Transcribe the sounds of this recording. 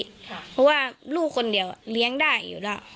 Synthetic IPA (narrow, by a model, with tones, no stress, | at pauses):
pʰɔ˧˥waː˧˥˩luː˥˩kʰːo˧ndi˨˩əwli˧˦˥əŋdaː˥˩jːṵː˨˩la˧˩ʔ